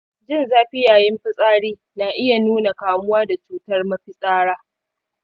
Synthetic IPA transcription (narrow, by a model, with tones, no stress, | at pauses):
d͡ʒɪ˦˨nzaː˦ɸi˦jaː˨jɪ˦mɸɪ˦sʼaː˦ɽiː˦ | naː˨ʔɪ˦ja˨nuː˦na˨kaː˨mʊ˦waː˦da˨t͡ʃuː˦tɐ˦rmɐ˦ɸi˦sʼaː˦ɽaː˦